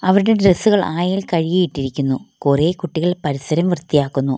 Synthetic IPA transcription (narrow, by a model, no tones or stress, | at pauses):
ɐʋɐɾuɽe̞ɖresːuɣɐɭaːjilkɐɻijejiʈːiɾikʲːunːukure̞ːkuʈːiɣɐɭpɐɾisɐɾɐmʋirt̪ijaːkːunːu